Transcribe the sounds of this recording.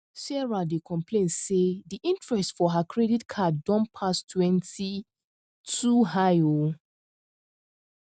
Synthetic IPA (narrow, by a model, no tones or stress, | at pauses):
sɛɹadekʰɔ̃mpʰlẽnsediʔĩntɹɛstfɔɦakʰɹɛditkʰaddɔ̃npʰastʰwɛ̃nti | tʰuɦajo